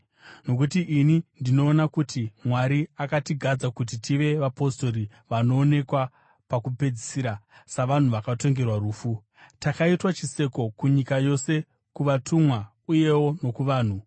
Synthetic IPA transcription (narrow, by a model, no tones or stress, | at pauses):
no̞kutiʔinindino̞ːnakutimwaɾiakatiɡʱad͡zakut̬itiʋe̞ʋapo̞sto̞ɾi | ʋano̞ːne̞kwa | pakupe̞d͡zisiːɾasaʋan̤uʋakato̞ŋɡe̞rwaɾuːfu | takaitwat͡ʃise̞ko̞kuɲikajo̞se̞ | kuʋatʰumwa | uje̞wo̞no̞kuʋaːn̤u